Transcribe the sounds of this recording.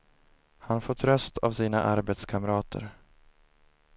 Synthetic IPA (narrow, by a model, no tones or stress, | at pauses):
hanfɔt̪ːɾœst̪ʰa̰vsiːna̰ʔaɾbeːt̪skʰamɾɑːt̪ʰə̰ɾ